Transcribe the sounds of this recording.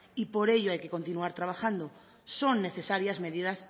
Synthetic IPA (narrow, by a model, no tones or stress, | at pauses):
ipo̞ɾe̞ʎoajkeko̞nt̪inuaɾt̪ɾaβ̞axand̪o | so̞nːe̞θe̞saɾjazme̞ðiðas